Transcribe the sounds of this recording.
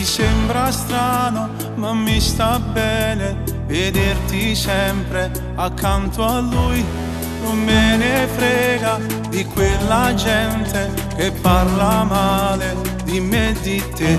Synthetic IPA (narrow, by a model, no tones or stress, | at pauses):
isɛmbɾast̪ɾaːno | mamːist̪abɛːne | ved̪ert̪isɛmpɾe | akːant̪oalːuj | nomːenefɾɛːɡa | d̪ikwelːad͡ʒɛnt̪ʰe | k̟epːarlamaːled̪imed̪it̪ːe